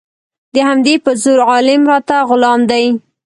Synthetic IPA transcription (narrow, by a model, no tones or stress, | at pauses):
d̪əhamd̪epəzoɾʕɑlɪmɾɑt̪aɣʊlɑmd̪aj